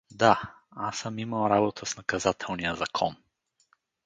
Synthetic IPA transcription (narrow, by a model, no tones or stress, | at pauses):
d̪a | asəmiməlˠɾabot̪ʰəsnɐkɐzat̪ʰɛlˠnijəzɐkʰɔn